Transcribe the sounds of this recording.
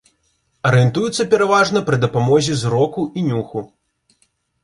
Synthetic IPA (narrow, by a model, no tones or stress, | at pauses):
ɐɾɨjɛnt̪ujut̪sːɐpʲɛɾavaʐnɐpɾɨd̪ɐpamɔzʲizɾɔkuʔinʲuxu